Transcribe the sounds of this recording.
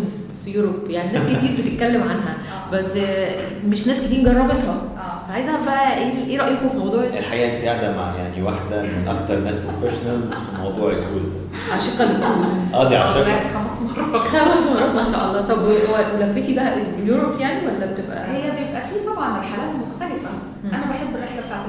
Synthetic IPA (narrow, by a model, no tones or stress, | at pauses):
z | fijoɾobjaʕninːsket̪iːɾbet̪et̪̚kælːemʕanɦæ | bæsː | meʃnæːsket̪iːmɡɑrˤːɑbet̪hɑ | fʕajezhæbæʔæʔeːʔeːɾˤɑʔjekofimɑwd̪ˤuːʕjaʔelħaʔiːʔent̪ijeʕd̪æma̰ʕja̰ʕniwaħd̪æmenʔɑ̰kt̪ɑɾˤnæːspɾofeʃonælzfimɑ̰wd̪ˤuːʕelkol | ʕaʃeqːɑlekːuːzʔæːd̪iʕa̰ʃeʔæxæmæsmɑrˤɑxæmæsmɑɾˤɑt̪ˤmenʃæ̰ːʔɑ̰lˤːɑːt̪ˤɑbwwæwelæfːet̪ibæʔæʔeljuɾopjaʕniwælːæbet̪ebʔæ̰hejːæbjebʔæfiːt̪ˤɑbʕɑneɾħalæːt̪moxt̪ælefæ | mːʔænæbæħebːerːeħlæbet̪aʕt̪e